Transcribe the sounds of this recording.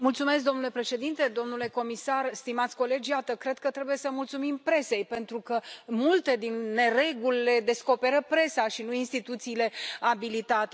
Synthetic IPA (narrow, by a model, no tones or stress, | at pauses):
mult̪sume̞sk̚d̪o̞mnule̞pɾe̞ʃe̞d̪int̪e̞d̪o̞mnule̞ko̞misarst̪imat̪sʲko̞le̞d͡ʒjat̪əkɾe̞d̪̚kət̪ɾe̞buje̞səmult̪sumimpɾe̞se̞jpe̞nt̪ɾukəmult̪e̞d̪inːe̞ɾe̞ɡulʲːe̞d̪e̞sko̞pe̞ɾəpɾe̞saʃinuinst̪it̪ut̪siːle̞abilit̪at̪e